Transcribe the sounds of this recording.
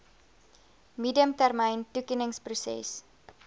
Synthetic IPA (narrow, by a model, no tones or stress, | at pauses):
midiəmtærməjntukinəŋsprusɛ̰s